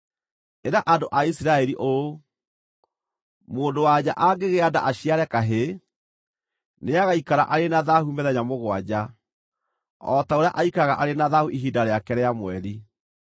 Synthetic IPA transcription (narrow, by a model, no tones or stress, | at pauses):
eɾaʔandoʔaisiɾaɛɾiʔo | moːndowad͡ʑaʔaɡeɣeada̰ʔaɕiaɾɛkaɦe | neaɣaikaɾaʔaɾenaðahumɛðɛɲamoɣwad͡ʑa | ɔtaoɾea̰ʔaikaɣaʔaɾenaðahuʔiɦidaɾeakɛɾɛamwɛɾi